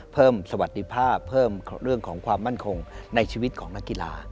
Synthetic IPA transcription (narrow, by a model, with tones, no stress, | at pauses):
pʰɤː˥˩msa˧wa˨˩t̪̚d̪i˦˥pʰaː˥˩pʰːɤː˥˩mɾɯ˥˩əŋkʰɔː˩˦ŋkʰwaː˧mːa˥˩nkʰo˧ŋna˧jt͡ɕʰiː˧wi˦˥t̪̚kʰɔː˩˦ŋna˦˥kːi˧˨la̰ː˧